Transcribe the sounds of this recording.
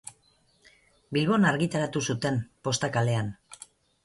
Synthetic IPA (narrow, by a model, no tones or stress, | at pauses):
bilβo̞naɾɣit̪aɾat̪usut̪e̞mpo̞st̪akale̞an